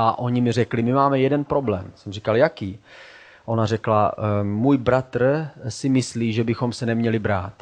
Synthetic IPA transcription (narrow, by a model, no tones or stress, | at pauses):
ʔaʔo̞ɲɪmɪrɛklɪmɪmaːmɛjɛdɛnpɾo̞blɛ̰ːmsɛmr̝ikaljakiː | ʔo̞narɛklamuːjbɾat̪rsɪmɪsliːʒɛbɪxo̞msɛnɛmɲɛlɪbɾa̰ːt̪